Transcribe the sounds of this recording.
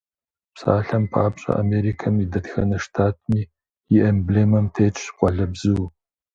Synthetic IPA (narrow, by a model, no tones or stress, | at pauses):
psa̰ːɬɐmpʰaːpɕʼɐ̰ʔa̰meːɾikʰɐmidɐtxɐ̰nɐʂtʰaːtʰmiː | ɪʔembleːmɐmtʰeːt͡ʃʼqʷʼɔɮɐbzɨw